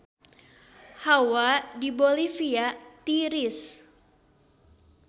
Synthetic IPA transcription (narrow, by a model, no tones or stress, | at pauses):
hawadibolifiat̪iɾis